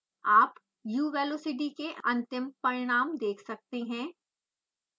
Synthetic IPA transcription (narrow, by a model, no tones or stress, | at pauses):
aːp | juːʋɛːloːsɪʈikeʔɐ̃nt̪ɪmpɐɾɪɽ̃aːmd̪eːkʰsɐk̚t̪eɦɛ̃ː